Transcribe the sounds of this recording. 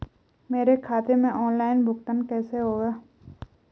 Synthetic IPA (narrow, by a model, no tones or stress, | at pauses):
meːɾekʰaːt̪emẽʔɔːnlaːɪnbʱʊkt̪ənkɛːseɦoːɡaː